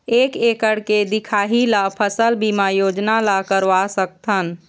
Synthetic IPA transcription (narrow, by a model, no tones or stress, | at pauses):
eːkeːkəɽked̪ɪkʰaːɦilapʰəsəlbimajoːd͡ʒnalakəɾʋasək̚t̪ʰən